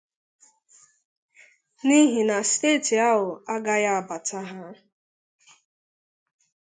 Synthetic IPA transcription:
ni˦ɦi˨na˨steː˦˨ti˨a˦ɦʊ˨a˦ɡa˦ja˦a˨ba˨tʰa˦ɦa˦

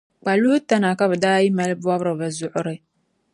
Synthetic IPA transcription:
k͡pa˨lu˦hʊ˦ta˦na˨ka˦βɨ˨daː˦ji˦ma˨lbwɔ˦bɾɨ˨ba˨zʊ˨ʔʊ˨ɾɨ˦

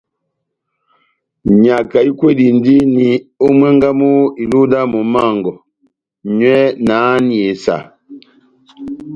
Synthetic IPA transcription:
ɲa˨ka˨i˦kwe˦di˨n˦di˦ni˨o˦mwɛ˦ŋɡa˦mu˦i˨lu˦da˦mɔ˨ma˦˨ŋɡɔ˨ | ɲwɛ˦naː˨˦ni˨e˨sa̰˨

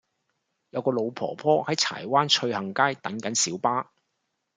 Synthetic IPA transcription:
jɐ˨˧wkɔː˧lo˨˧wpʰɔ̰ː˨˩pʰɔː˥hɐ˨˥jt͡sʰa̰ː˨˩jwaː˥nt͡ʃʰɵ˧ɥhɐ˨˩ŋkaː˥jt̪ɐ˨˥ŋkɐ˨˥nsiː˨˥wpaː˥

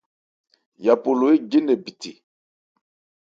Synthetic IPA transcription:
ja˨po˨lo˨e˦ɡe˦nɛ˨bi˨ti˨

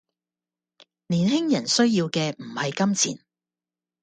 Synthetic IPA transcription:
liː˨˩nɦɪ˥ŋjɐ˨˩nsɵ˥ɥjiː˧wkɛː˧m̩˨˩hɐ˨jkɐ˥mt͡sʰḭː˨˩n

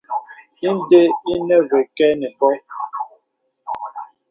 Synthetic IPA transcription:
i˦n˦de˦i˦nɛ˦ve˨kɛ˦nɛ˨bɔ˦

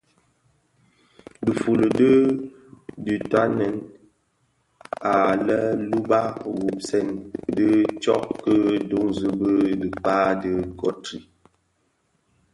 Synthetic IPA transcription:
də˨fu˨lə˨də˦ | di˨ta˦nɛ˨˦n | a˨lə˦lu˦ba˦ɣu˨p̚sɛ˦˨ndə˦t͡ʃɔ˦ʔkə˦do˨˦ŋzə˦bə˦də˨paː˦də˦kɔ˦tɾi˨

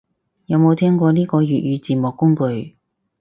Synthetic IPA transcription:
jɐ˨˧wmo˨˧wt̪ʰɛː˥ŋkʷɔː˧niː˥kɔː˧jyː˨t̚jyː˨˧t͡siː˨mʊː˨kːʊ˥ŋkɵ˨˧ɥ

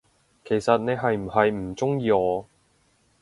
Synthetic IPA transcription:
kʰe˨˩jsɐ˨t̚ne˨˧jɦɐ˨jm̩˨˩hɐ˨jm̩˨˩t͡sʊ˥ŋjiː˧ɔː˨˧

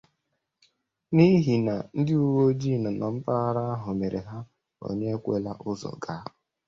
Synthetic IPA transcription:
ni˦ɦi˨na˨n̩˦dɪ˦u˦wo˦d͡ʒi˦˨nʊ˨nɔ˨m̩˦pa˦a˦ɾa˦a˦ɦʊ˨me˨ɾʔe˨ɦa˦ | o̰˨ɲe˦e˦kʷḛ˦la˦ʔʊ˦zɔ̰˨ɡa˦˨

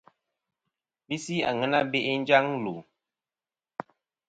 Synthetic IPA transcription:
bi˦si˦a̰˨ŋə˦na˦be˦ʔe˦n̩˦d͡ʒa˦ŋlu˨

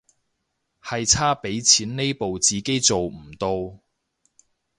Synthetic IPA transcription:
hɐ˨jt͡sʰaː˥pe˨˥jt͡sʰiː˨˥nne˥jpo˨wt͡siː˨ke˥jt͡so˨wm̩˨˩t̪o˧w

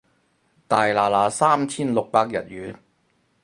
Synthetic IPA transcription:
t̪aː˨jlaː˨laː˨˥saː˥mt͡sʰiː˥nlʊ˨k̚paː˧k̚jɐ̰˨t̚ɥyː˨˥n

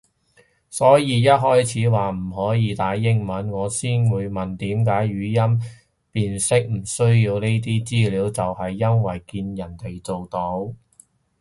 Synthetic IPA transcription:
sɔː˨˥jiː˨˧jɐ˥t̚ɦɔː˥jt͡sʰiː˨˥waː˨m̩˨˩ɦɔː˨˥jiː˨˧t̪aː˨˥jːɪ˥ŋmɐ˨˥nŋɔː˨˧siː˥nwuː˨˧jmɐ˨nt̪iː˨˥mkaː˨˥jɥyː˨˧jɐ˥m | piː˨˧nsɪ˥k̚m̩˨˩sɵ˥ɥjiː˧wne˥jt̪̬iː˥t͡siː˥liː˨˥wt͡sɐ˨whɐ˨jːɐ˥nwɐ˨˩jkiː˧njɐ˨˩nt̪e˨˩jt͡so˨wt̪o˨˥w

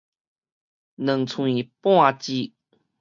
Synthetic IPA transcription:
nə˨˩ŋt͡sʰũ˨˧˨i˨pwa˥˧t͡ɕi˦

